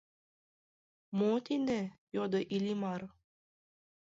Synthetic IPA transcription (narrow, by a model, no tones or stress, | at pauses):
mot̪ine | jod̪ɤʔilʲimaɾ